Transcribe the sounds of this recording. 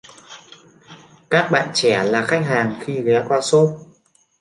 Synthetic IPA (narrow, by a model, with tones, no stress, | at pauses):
kaː˦˥k̚ɓa̰ː˧˨nt͡ɕɛ˧˩laː˨˩xa˦˥jk̟̚ɦaː˨˩ŋxi˧ɣɛ˨˦kwaː˧so˦˥t̚